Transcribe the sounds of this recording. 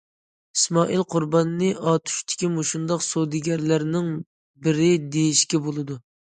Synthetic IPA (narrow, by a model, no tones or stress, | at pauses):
ismɑʔilˠqʰʊɾbɑnɨnɨʔɑt̪ʰu̥ʃt̪ʰɪ̥kʲimuʃund̪ɑqsod̪ɪɡʲɛɾlæɾnɪŋ | bɪɾɪd̪ejiʃkʲɛbolˠɨd̪u